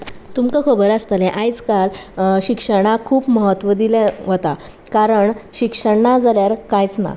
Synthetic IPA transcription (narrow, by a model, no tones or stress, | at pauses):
t̪umkəkʰəbəɾast̪əlɛ̃ʔajt͡skalɕikʂəɽ̃akʰuːpməɦət̪ːʋəd̪ilẽɦət̪a | kaɾəɳɕikʂəɳnad͡zaljaɾkajt͡sna̰